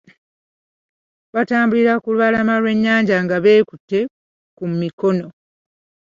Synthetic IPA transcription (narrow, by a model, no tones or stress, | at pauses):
βataːmbuliɾakulwβalamalwe̞ɲːaːɲɟaŋɡaβe̞ːkutːe̞ | kumiko̞no̞